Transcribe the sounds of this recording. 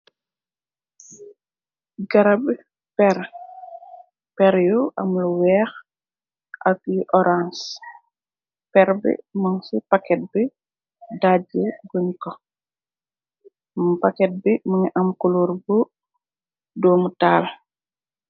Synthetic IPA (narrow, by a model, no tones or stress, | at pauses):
ɡɐɾab | pɛɾ | pɛɾjuʔɐ̰mluwɛx | ʔakjiʔɔɾãns | pɛɾbḭmaŋsipakɛt̚bi | daɟeɡuɲkɔ | mpakɛt̚bimuɲiʔɐmkuluɾbu | dɔːmutaːl